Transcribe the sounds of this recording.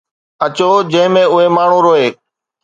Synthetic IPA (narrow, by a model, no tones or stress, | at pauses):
ət͡ɕoːd͡ʑə̃ɦɪ̃mẽːʊɦeːmaːɳ̤ũːɾoːeː